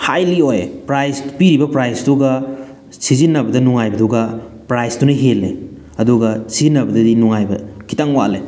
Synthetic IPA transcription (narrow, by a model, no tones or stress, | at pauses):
hajliojpɾajspiɾibɐpɾajstuɡɐ | sizinːɐbɐdɐnuŋajbɐduɡɐpɾajstunɐɦelːḛ | ɐduɡɐsizinːɐbɐdɐdinuŋajbɐ̰kʰi̥taŋwa̰le